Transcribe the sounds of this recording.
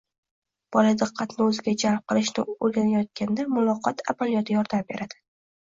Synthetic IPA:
b̥ɒlad̪ɨqʰːɑt̪nɪɵzɪɡʲad͡ʒalˠb̚qɨlˠɪʃnɪolɡʲanajɒt̪̚kʲʰand̪amʊlˠɒqʰɒt̪ʰa̰malijɒt̪ʰɪjɒɾd̪ambe̞ɾad̪̥ɪ

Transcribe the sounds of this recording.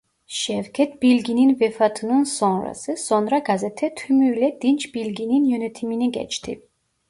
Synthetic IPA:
ʃɛvkʰɛt̪̚ʰbilɡininvɛfat̪ʰnunsɔnɾa̰sɛsɔnɾaɡazɛt̪ʰɛt̪ʰymylɛd̪̥int͡ʃʰbilɡininjunɛt̪ʰiminiɡɛ̰t͡ʃʰt̪ʰḭ

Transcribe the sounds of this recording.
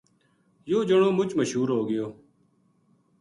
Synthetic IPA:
joːd͡ʒəɳoːmʊt͡ʃməʃɦuːɾɦoːɡɪjoː

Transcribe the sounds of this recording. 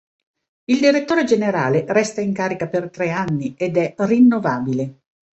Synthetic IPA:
ild̪iɾet̪ːoːɾed͡ʒeneɾaːlerɛst̪aiŋkaːɾikapert̪ɾɛanːiʔed̪ɛrinːovaːbile

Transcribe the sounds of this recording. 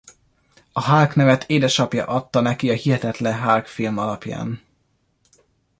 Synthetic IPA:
ɒɦaːrknɛvɛt̪ʰeːd̪ɛʃɒpjɒ̰ʔɒt̪ːɒnɛkiɒhiɦɛt̪ɛt̪lɛɦaːrkfilmɒlɒpja̰ːn

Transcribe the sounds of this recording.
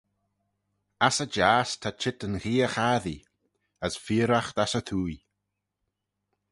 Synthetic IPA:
asəd͡ʒaːstʰat͡ʃʰɪtənxiːəxaːði | əsfiːɾaxt̪asətʰuːj

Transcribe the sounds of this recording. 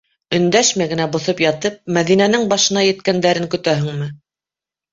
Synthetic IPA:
ɵ̆nd̪æʃmæɡɘ̆næbŏθɤpjɑt̪ɤp̚mæðinænɘŋbɑʃɤ̆nɑjɘ̆t̪kænd̪æɾɘŋkɵ̆t̪æɦɘ̆ŋmɘ

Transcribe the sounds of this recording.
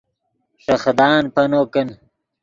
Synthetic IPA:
ʂɐxd̪ɑːnpɐnoːkən

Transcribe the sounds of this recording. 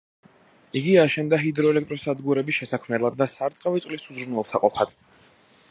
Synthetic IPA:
iɡiaʃɛnd̪aɦid̪ɾɔɛlɛk̚t̪ʼɾɔsad̪ɡuɾɛbisʃɛsakʰmɛlˠad̪ːasaɾt̪sʼqʼavit̪sʼlisuzɾunwɛlˠsaqʼɔpʰad̪̥

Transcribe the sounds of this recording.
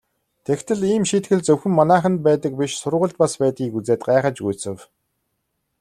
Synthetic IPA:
t̪ʰekt̪ʰɘ̆ɮiːmʃiːt̪ɡɘ̆ɮt͡sɵwxɘ̆mːanæːχə̆nt̪̚pæːt̪ə̆k̚piʃsʊrʁʊ̆ɮt̪̚paspæːt̪ɡʲiːkut͡seːt̪̚ɢaːχə̆t͡ɕɡujsɘ̆w

